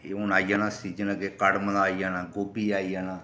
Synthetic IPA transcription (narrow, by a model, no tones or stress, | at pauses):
eːʊnaːijaːnãːsiːd͡ʒənãːɡekəɽmənaːijaːnaːɡoːbiːaːiːjaːnãː